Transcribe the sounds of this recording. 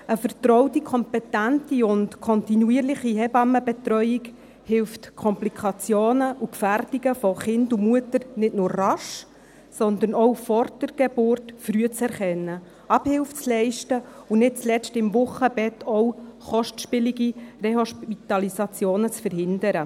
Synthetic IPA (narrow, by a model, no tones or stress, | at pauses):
əfəɾt̪ɾɔwtikʰɔmpɛtæntiʊntkʰɔntinuiːɾlɪχiɦɛbɑmːəbɛt̪ɾœʏik | hɪlftkʰɔmplikʰɑt͡sjoːnəʔukfærdiɡəfɔχɪndumuətəɾnɪtnʊːɾːɑʃ | sɔnd̪ənɔwfɔɾtəɾɡ̥ebʊɾtfɾyət͡sɛɾχɛnːə | ɑbhɪlft͡slɛɪʃtəunɪt̚t͡slɛt͡stɪmvʊχːəb̥ɛtʰɔwχɔʃtʃpɪliɡireɦɔʃpit̪ɑlisɑt͡sjoːnət͡sfəɾhɪndəɾə